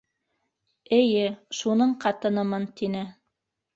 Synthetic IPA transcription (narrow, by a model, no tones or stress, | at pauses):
ɘ̆jɘʃunɤɴqɑt̪ɤ̆nɤ̆mɤnt̪inɘ